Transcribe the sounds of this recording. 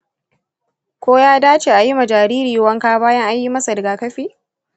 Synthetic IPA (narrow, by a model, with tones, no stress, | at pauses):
kʷoː˦jaː˦daː˦t͡ʃe˨ʔa˨ji˦ma˨d͡ʒaː˨ɾiː˦ɾiː˨wɐ˦ŋkaː˦baː˦jɐ˦ŋʔa˦ji˦mɐ˦sa˨dɐ˨ɡaː˨kɐ˦ɸiː˦